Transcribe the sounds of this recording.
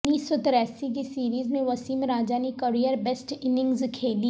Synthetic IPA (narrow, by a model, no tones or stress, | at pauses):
niːsɔt̪ɪɾɛːsik̬isiːɾiːzmẽʋɐsiːmɾaːd͡ʒaːnikəɾijəɾbesʈɪnɪ̃ŋɡzkʰeːli